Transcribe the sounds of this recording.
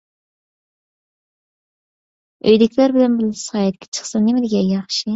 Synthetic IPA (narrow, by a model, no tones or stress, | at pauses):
ø̰jd̪ɪkʲʰlæɾbɪlɛnbɪlɪshɑːjɛt̪̚kʲʰɛ̥t͡ʃʰə̥χsɑnɪmɪd̪ɪɡʲɛjɑχʃi